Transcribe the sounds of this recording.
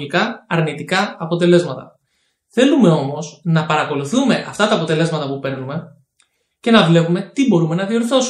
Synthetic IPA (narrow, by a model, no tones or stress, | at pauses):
likɐːɾnit̪ikɐːpo̞t̪e̞le̞zmɐt̪ɐ | θe̞lume̞o̞mo̞snɐpɐɾɐko̞luθume̞ʔɐft̪ɐt̪ɐːpo̞t̪e̞le̞zmɐt̪ɐpupe̞ɾnume̞ | ce̞nɐvle̞pume̞t̪ibo̞ɾume̞nɐðio̞ɾθo̞s